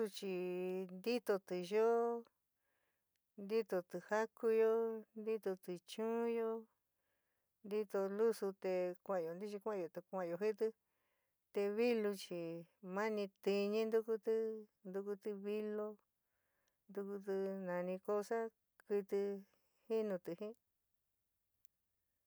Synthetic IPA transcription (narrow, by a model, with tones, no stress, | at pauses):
u˧t͡ʃi˧nd̪i˦t̪o˧t̪ɨ˨ʒo˦ | nd̪i˦t̪o˧t̪ɨ˨˧ha˦kʰu˧jo˧nd̪i˦t̪o˧t̪i˧t͡ʃũ˦jo˦ | nd̪i˦t̪o˧lu˦su˧t̪e˧kʷa˧˨jo˧nd̪i˦t͡ʃi˧kʷã˦˧˨jo˨t̪e˧kʷã˧˨jo˧ɦi˦t̪ɨ˧ | t̪e˧βi˦lu˧t͡ʃi˧˨mã˦nĩ˧t̪i˧ɲĩ˧nd̪u˦ku˧t̪ɨ˦nd̪u˧ku˧t̪i˧βi˦lo˦ | nd̪u˧ku˧t̪ɨ˧nã˧nĩ˧ko˦sa˦ | ki˧t̪ɨ˧ | hi˦nũ˧t̪ɨ˧hĩ˦